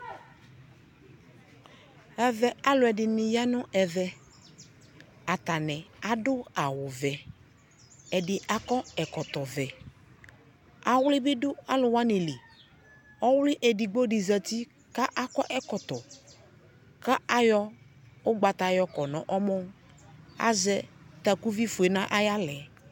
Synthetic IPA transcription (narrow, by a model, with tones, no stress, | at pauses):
ɛ˨vɛ˨a˦lʊ˨ɛ˨dɪ˨nɪ˨ja˦nʊ̃˦ʔɛ˨vɛ˦ | a˨t̪a˨nɛ˨a˨dʊ˦a˨wʊ˨vɛ˨ | ɛ˨dɪ˨a˦kɔ˦ɛ˨kɔ˨t̪ɔ˨vɛ˨ | a˨wʊ˦lɪ˦bɪ˦dʊ˦a˦lʊ˨wa˦ne˨lɪ˨ | ɔ˦wlɪ˦ʔɛ˨dɪ˨ɡ͡bo˦dɪ˨za˨ti˦ | ka˦ʔa˦kɔ˦ʔɛ˦kɔ˨tɔ˨ | ka˦a˦jɔ˦ | ʊ˦ɡ͡ba˨ta˨jɔ˦kɔ˨nɔ̃˨ʔɔ˦mɔ˦ | a̰˨zɛ˦ta˨ku˦vi˦fʊ˨e˨nã˦ʔa˦ja˦lɛ˨